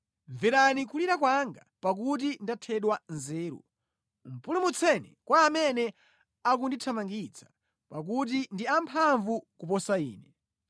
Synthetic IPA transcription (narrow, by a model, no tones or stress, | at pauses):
ɱviɾanikʰuliɾakwaŋɡapak̬ut̬indatʰɛɗwanzɛːɾṵ | m̩pulumut͡sʰɛnɛkwaːmɛnɛ | ak̬unditʰamaŋɡit͡sʰḁ | pak̬ut̬indiampʰaɱvukupɔsaiːnɛ